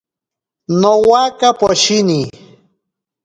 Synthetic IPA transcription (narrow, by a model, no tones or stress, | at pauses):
nowakapoʃini